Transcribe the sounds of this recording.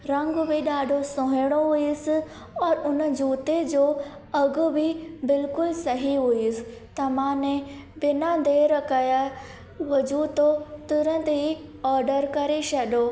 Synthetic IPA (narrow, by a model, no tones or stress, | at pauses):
ɾɐ̃ŋɡʊbɪɗaːɖʱosõːɦɪɽ̃oɦʊiʊsɪ | ɔːɾʊnəd͡ʑuːt̪ed͡ʑoː | ɐɡʊbɪbɪlkʊlsɐɦiɦʊiʊsɪ̥̆t̪ɐmãːnẽbɪnad̪eːɾəkaja | ʋɐd͡ʑuːt̪ot̪ʊɾə̃nt̪iɔːɾɖəɾkɐɾeʃɐɗoː